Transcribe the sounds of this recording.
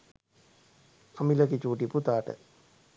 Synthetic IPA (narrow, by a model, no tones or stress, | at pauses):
amiləkit͡ʃuːʈiput̪aːʈə̰